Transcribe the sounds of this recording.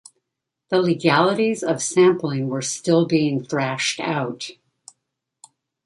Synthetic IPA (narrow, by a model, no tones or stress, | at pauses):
ðəlɨɡælˠəɾizʌv̥sæ̃mplɪ̃ŋwə˞stɪlˠbiɪ̃ŋθɹæʃta̰ʊt